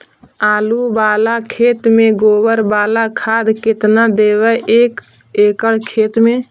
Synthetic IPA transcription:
aːlubaːlakʰet̪mẽɡoːbəɾbaːlakʰad̪kɪt̪nad̪ewɛʔek | ekəɽkʰet̪me

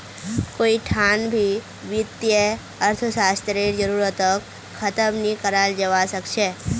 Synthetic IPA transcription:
koːiʈʰanbʱi | ʋɪt̪jə | əɾt̪ʰəsast̪ɾeɾd͡ʒəɾuɾət̪əkʰː | ət̪əmnikəɾald͡ʒəʋasəkʃʰe

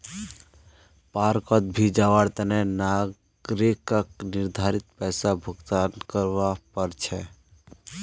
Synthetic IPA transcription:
paɾkət̪̚bʱid͡ʒaʋaɽt̪ənɛna | ɡɾekəkniɾd̪ʱaɾit̪̚pɛɪsabʱuɡt̪ankəɾʋapəɾt͡ʃʰɛ

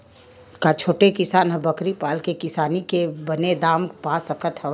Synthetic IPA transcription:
kat͡ʃʰoːʈekɪsaːnɦɐbəkɾipaːlkekɪsaːnikebəned̪aːmpaːsəkət̪hɛ

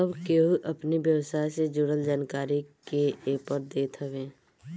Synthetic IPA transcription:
əbkeɦuʔɐpnibjəwsaːjsed͡ʒʊɽəld͡ʒaːnkaːɾikeepəɾd̪eːt̪ʰəʋẽː

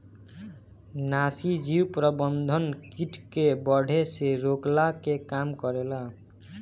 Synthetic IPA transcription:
nasid͡ʒiwpɾəbənd̪ʱənkiʈkebʌɽʱeseɾoklakekamkɔɾela

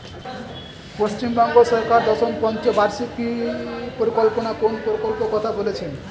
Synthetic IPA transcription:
post͡ɕimbɔŋɡosɔɾkaɾd̪ɔʃonpɔnt͡ɕobaɾsikipoɾikolponakonpoɾikolpokɔt̪ʰabolet͡ɕʰen

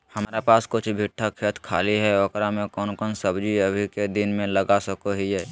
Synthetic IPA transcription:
həmɾapaːskʊt͡ʃʰbʱɪʈʰːakʰet̪ʰkʰa̰ːliɦɛɔkɾamẽkɔːnkɔːnsəbd͡ʒiəbʱiked̪ɪnmẽləɡasəkoɦiɦɛː

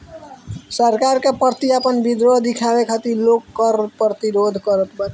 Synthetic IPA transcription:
səɾkaɾkepəɾt̪iapənbid̪ɾoɦd̪ikʰabekʰat̪ilokːəɾpɾət̪iɾod̪ʱkəɾət̪bət

